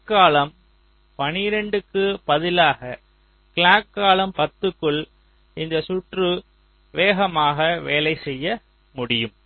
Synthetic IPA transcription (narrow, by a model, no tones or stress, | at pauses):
kːaːlɐm | pɐnɪɾɛɳɖɯkːɯpɐðɪlaːɣɐ | kɪɭaːkːaːlɐmpɐt̪ːɯkːɯɭ | ɪnd̪ɐsʊʈrɯ | ʋeːɣɐmaːɣɐʋeːlɐɪsɛjːɐ | mʊɽɪjɯm